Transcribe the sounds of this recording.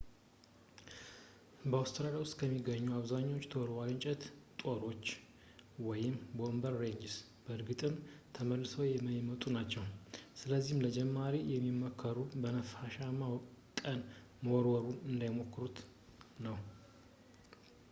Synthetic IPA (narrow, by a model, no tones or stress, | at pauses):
bəawst̪ʰɨɾaljawʊst̪ʼkʰəmːiɡəɲːuaβzaɲːo̞t͡ʃːt̪ʰoɾwaɡɨɲt͡ʃʼɛt̪t̪ʼoɾo̞t͡ʃː | wɔjɪmbo̞mbəɾːe̞ɲd͡ʒs | bəɨɾɡɨt̪ʼɨmt̪ʰəməlːɨsəwjɛməjɪmət̪ʼunat͡ʃːɛwsɨləzːihmləd͡ʒɛmːaɾijɛmːimːokʰːəɾubənəfaʃamakʼən | məwɾwɔɾunɨnd̪ajmo̞kːɨɾut̪ | nəw